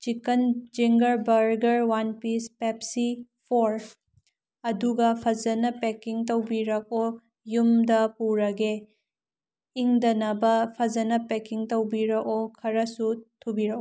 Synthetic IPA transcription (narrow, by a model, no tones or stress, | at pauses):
t͡ʃikɐnd͡ʒiŋɡɐɾbɐɾɡɐɾwanpispepsipʰoɾ | ɐduɡɐpʰɐzɐnɐpekiŋtɐwbiɾɐk̚o | jumdɐpuɾɐɡe | iŋdɐnɐbɐpʰɐzɐnɐpekiŋtɐwbiɾɐkokʰɐɾɐsutʰubiɾɐko